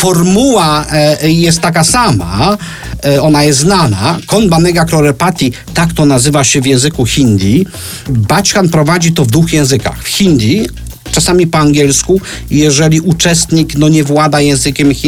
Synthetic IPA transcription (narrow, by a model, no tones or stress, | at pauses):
fɔɾmuwa | jɛst̪ːak̬asama̰ | ɔnajɛst̪znanakɔnbanɛɡaklɔɾɛpat̪ʲi | t̪akt̪ɔnazɘvaɕɛvʲjɛ̃w̃zɘkuxʲind̪ʲji | bat͡ɕkanpɾɔvad͡ʑit̪ɔvd̪vuxjɛ̃w̃zɘka̰xfxʲind̪ʲji | t͡ʂasamʲipɔaŋɡʲɛlsku | jɛʐɛlʲiʔut͡ʂɛst̪ɲiknɔɲɛvwad̪ajɛ̃w̃zɘkʲɛmxʲi